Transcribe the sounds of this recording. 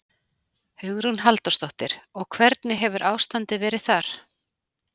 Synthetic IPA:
hʏɣɾunɦalt̪ɔst̪ɔht̪ɪɾ̥ɔɣkʰvɛɾt̪nɪɦɛvʏɾʔaːwst̪ant̪ɪvɛːɾɪðθaɾ̥

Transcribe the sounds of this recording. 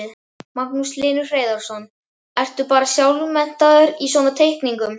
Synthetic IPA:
ð | mak̚nuslɪːnʏ̥reːjðaɾ̥sɔn | ɛr̥t̪ʏpaːɾasjawlʏmɛn̥t̪aðʏɾiswɔːnat̪ʰejhkniŋkʏm

